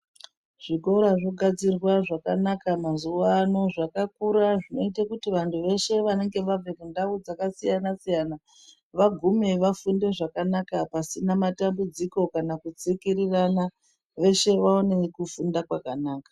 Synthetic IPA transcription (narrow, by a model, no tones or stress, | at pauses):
ʐ̥iɡo̞ɾaʐo̞ɡʱad͡zirwaʐakanakamazuwaano̞ʐakakuɾaʐino̞itakutiʋantʰuʋe̞ʃe̞ʋane̞ŋɡe̞ʋavekundaud͡zakasijanasijana | ʋaɡʱume̞ʋafunde̞ʐakanakapasinamatambud͡ziko̞kanakut͡sikirirana | ʋe̞ʃe̞ʋaonekufundakwakanaːkḁ